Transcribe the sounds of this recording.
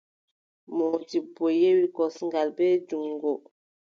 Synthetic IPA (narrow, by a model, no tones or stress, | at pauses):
mɔtibojewikɔsŋɡalbɛd͡ʒuŋɡo